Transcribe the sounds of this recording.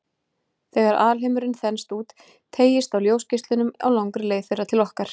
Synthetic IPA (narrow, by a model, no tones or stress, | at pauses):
θɛɣaɾaːlɦemʏɾɪnθɛnst̪uːt̪ːʰ | eːjɪst̪awljoːwscɪst̪lʏnʏma̰wlawŋkɾɪleːjθejrat̪ʰɪlɔhkaɾ̥